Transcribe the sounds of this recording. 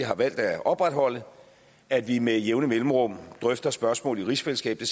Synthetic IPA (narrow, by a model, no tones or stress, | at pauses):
iɦɑ̈ʋæl̰d̥æʔɒ̽b̥ʁad̥hɒ̽l̰ə | æd̥ʋimejeʊnəmelməʁɔ̽m̰d̥ʁœfd̥ɐsb̥ɶɐsmɔ̰ːliʁisfeləsɡ̥ɛ̰ːb̥d̥e̝s